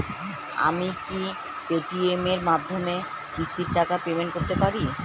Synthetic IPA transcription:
a̰miki | peʈiemeɾmad̪ʱːome | kɾist̪iɾʈakapemeɳʈ̚koɾt̪epaɾi

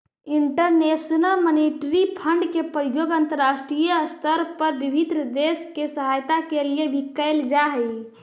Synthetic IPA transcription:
iɳʈəɾnesnəlməniʈɾipʰəɳɖkepɾijoɡant̪əɾːasʈɾijəst̪ʰəɾpəɾbibʱid̪ɾəd̪eskesəɦajt̪akelijebʱikːəɪld͡ʒaɦə

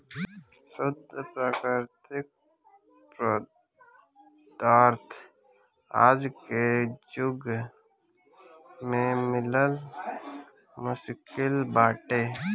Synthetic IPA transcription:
səbd̪pɾaːkɾɪɾt̪ɪk̚ | pɾə | d̪̥aːɾt̪ʰ | a̰ːd͡ʒked͡ʒʊɡ | mẽmɪləl | mʊʃkɪlbaːʈeː

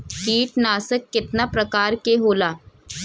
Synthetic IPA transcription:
piːʈnaːsəkːɪt̪napɾɐkaːɾkeɦoːlaː

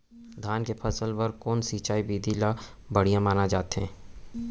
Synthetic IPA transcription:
d̪ʱaːnkepʰɐsəlpɐɾkɔːnsiːt͡ʃaːibiːd̪ʱila | bɐɽ̤ijãmaːnad͡ʒaːt̪ɦɛ̰̃ː

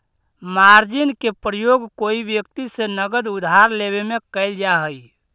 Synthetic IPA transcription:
maɾd͡ʒinkepɾəjoɡkoibjəkt̪isenəɡəd̪ud̪ʱaɾleβemekəɪld͡ʒaɦəj

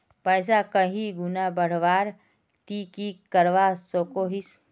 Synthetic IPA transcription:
pəjs̬akəɦiɡunabəɽ̤ʋaːɾ | t̪ikikəɾʋasokoɦis

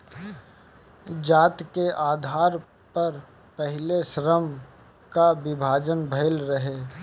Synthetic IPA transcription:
d͡ʒaːt̪keʔaːd̪ʱaːɾ | pɐɾ | pəɦɪleʃɾəm | kabɪbʱaːd͡ʒənbʱɐɪlɾəɦeː

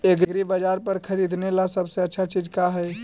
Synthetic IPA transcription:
eɡɡɾibəd͡ʒaɾpəɾkʰəɾid̪ʱnelasəbseətːʃʰat͡ʃid͡ʒkaɦəj

